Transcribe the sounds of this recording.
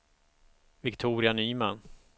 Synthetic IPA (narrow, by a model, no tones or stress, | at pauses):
vɪkt̪ʰuːɾɪanyːman